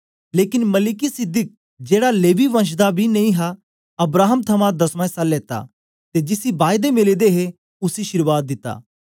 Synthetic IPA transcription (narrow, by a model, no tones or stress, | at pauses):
leːkɪnmɐlɪkisɪd̪ɪk̚ | d͡ʒeːɽaleːʋiʋɐ̃ʃ̬d̪abʱinɐĩɦa | ɐbɾaːɦəmt̪ʰɐmãd̪ɐsmãesɐlːeːt̪a̰ | t̪ed͡ʒɪsibaːjd̪emɪlid̪eɦe | ʊsiʃɪɾʋaːt̪̚d̪ɪt̪ːa̰ː